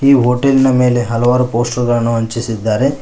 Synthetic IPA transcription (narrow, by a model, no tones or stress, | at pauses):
iːɦoːʈelinɐme̞ːle̞ɦɐlɐʋaːɾupoːsʈɐɾɡɐɭɐnːuɦɐɲt͡ʃisid̪ːaːɾe̞